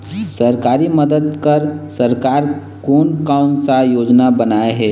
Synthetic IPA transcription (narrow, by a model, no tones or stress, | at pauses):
səɾkaːɾiməd̪əd̪kəɾsəɾkaːɾ | koːnkaʊnsajoːd͡ʒnabənaːeɦɛː